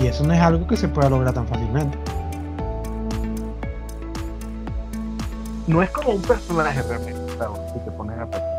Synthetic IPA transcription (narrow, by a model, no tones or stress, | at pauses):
ie̞sonoe̞salɣo̞kese̞pwe̞ðalo̞ɣ̞ɾaɾt̪aɱfasilmẽ̞nt̪e̥ | no̞e̞sko̞moumpe̞ɾso̞naaxerealment̪t̪aðosit̪e̞poneape